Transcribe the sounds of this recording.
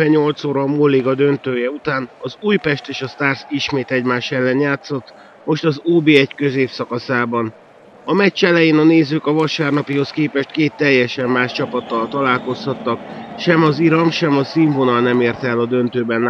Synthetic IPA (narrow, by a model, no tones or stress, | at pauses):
ɛɲːo̞lt̪soːɾɒmolːiɡɒd̪ø̞nt̪øːjɛut̪aːnɒzuːjpɛʃt̪eːʃɒst̪aːrsiʃmeːt̪ɛɟmaːʃɛlːɛnjaːt̪so̞t̪ː | mo̞ʃt̪ɒzoːbeɛckøzeːfsɒkɒsaːbɒn | ɒmɛct͡ʃɛlɛjeːnɒneːzøːkɒvɒʃaːrnɒpiɦo̞skeːpɛʃt̪̚keːt̪ːɛjːɛʃɛmːaːʃt͡ʃɒpɒt̪ːɒlt̪ɒlaːlko̞shɒt̪ːɒkʃɛmɒziɾɒmʃɛmɒsiːɱvonɒlnɛmeːrt̪ɛlːɒd̪ø̞nt̪øːbɛn